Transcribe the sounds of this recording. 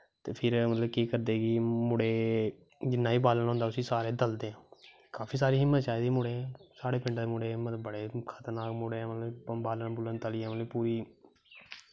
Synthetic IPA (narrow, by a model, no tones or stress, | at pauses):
t̪eːpʰɪɾmət̪ləbkiːkəɾd̪eːɡiːmʊɽeː | d͡ʒɪnːaːiːbaːlənɦʊ̃nd̪aːʊsĩːsaːɾeːd̪əld̪eːɦãː | kaːpʰiːsaːɾiːɦɪmːət̪t͡ʃaːid̪iːmʊɽẽːsaːɽeːpɪ̃ɳɖd̪eːmʊɽeːmət̪bəɽeːkʰət̪əɾnaːkmʊɽeːɛ̃ːmət̪ləbbaːlənbʊlənt̪əliːaːməəipuːɾiː